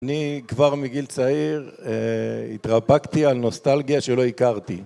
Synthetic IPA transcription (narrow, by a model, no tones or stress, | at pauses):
anikvaʁmiɡilt͡saiʁeit̪ʁabakt̪ialno̞st̪alɡijaʃelo̞ikaʁt̪i